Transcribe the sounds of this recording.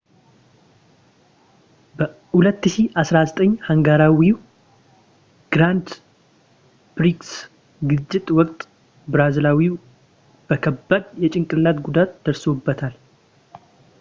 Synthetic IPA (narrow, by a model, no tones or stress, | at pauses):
bə | hulət̪ːɨʃiʔasɾazət̪ʼəɲːhaŋɡaɾawiw | ɡ̥ɾand̪ | b̥ɾiks | ɡɨt͡ʃːɪt̪ʼwɔkʼt̪ʼ | bɾazlawiw | b̥əkʰəbːad̪jɛt͡ʃʼɪŋkʼɨlat̪ɡud̪at̪d̪əɾso̞bːət̪ʰal